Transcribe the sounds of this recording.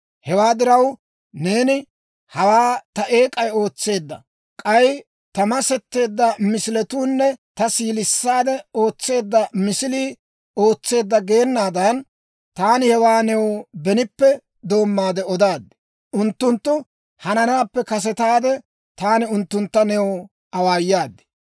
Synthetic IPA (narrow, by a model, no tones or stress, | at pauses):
hɛwaːd̪ɪɾɐw | ne̞ːnɪ | hɐwaːt̪ɐʔeːkʼɐjo̞ːt͡sːe̞ːd̪ːɐ̰ | kʼɐj | t̪ɐmɐsɛt̪ːe̞ːd̪ːɐmɪsɪlɛt̪uːnːɛt̪ɐsiːlɪsːaːd̪ɛo̞ːt͡sːe̞ːd̪ːɐmɪsɪliː | o̞ːt͡sːe̞ːd̪ːɐɡeːnːaːd̪ɐn | t̪aːnɪhɛwaːnɛwbɛnɪpːɛ | d̪o̞ːmːaːd̪ɛɔd̪aːd̪ːɛ̥ | ʊnt̪ːʊnt̪ːʊ | hɐnɐnaːpːɛkɐs̬ɛt̪aːd̪ɛ | t̪aːnɪʊnt̪ːʊnt̪ːɐnɛw | ɐwaːjːaːd̪ːɛ̥